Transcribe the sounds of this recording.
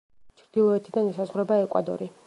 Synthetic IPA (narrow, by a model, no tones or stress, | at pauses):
t͡ʃʰɾd̪̥ilˠɔɛt̪ʰid̪anisazʁwɾɛbaɛkʼwa̰d̪ɔ̰ɾi